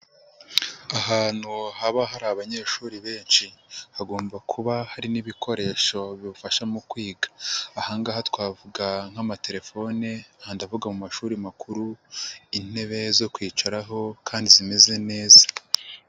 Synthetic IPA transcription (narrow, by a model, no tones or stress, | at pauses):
aɦaːn̥huhaβaɦaɾaβaɲe̞ːʃuːɾiβe̞ːnʃihaɡo̞ːmbakʰuβahaɾiniβikʰo̞ɾe̞ʃo̞βiβufaʃamukwiːɡḁːhaːŋɡaːhatwaːvuɡaŋ̥amate̞ɾe̞fo̞nehandavuɡamumaʃuːɾimakʰuɾuin̥e̞βe̞zo̞kwiːt͡ʃaɾaɦo̞kʰaːndizime̞ze̞ne̞ːza